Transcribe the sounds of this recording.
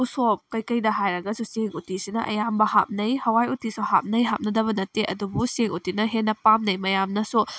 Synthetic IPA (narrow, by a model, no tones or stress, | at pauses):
usop̚kɐjkɐjdɐɦajɾɐɡɐsuseŋutisinɐʔɐ̰jambɐha̰p̚nɐjhɐwajutisoha̰p̚nɐjɦap̚nɐdɐβɐnɐteʔɐdubuseŋutinɐɦenːɐpamnɐjmɐjamnɐsu